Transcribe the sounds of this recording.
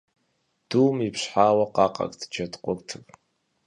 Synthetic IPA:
d̥uːmipɕħaːwɐqɑːqʼɐ̰kʼtʰd͡ʒɐdqʷʼʊrtʰɨp

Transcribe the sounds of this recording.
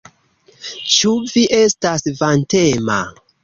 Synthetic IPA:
t͡ʃuviʔe̞stasvantema̰

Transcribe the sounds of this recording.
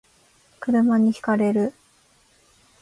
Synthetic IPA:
kɯ̟ɾɯ̟maɲ̟içi̥kaɾe̞ɾɯ̟

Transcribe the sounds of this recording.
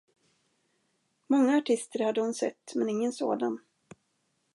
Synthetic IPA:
mɔŋːaːʈʰɪst̪əɾhad̪ːəhʊnsɛ̰t̪ːmɛnɪŋːənso̰ːd̪an

